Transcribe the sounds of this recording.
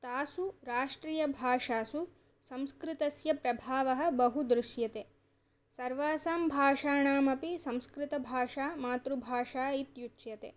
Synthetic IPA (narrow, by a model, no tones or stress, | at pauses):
t̪aːsuɾaːʂʈɾiːjɐbʱaːʂaːsu | sɐmskɾɪt̪ɐsjɐpɾɐbʱaːʋɐɦɐ̆bɐɦud̪ɾuʃjɐt̪eː | sɐɾʋaːsaːmbʱaːʂaːɳaːmɐpisɐ̃mskɾɪt̪ɐbʱaːʂaːmaːt̪ɾubʱaːʂaːit̪jut͡ʃt͡ʃjɐt̪ḛː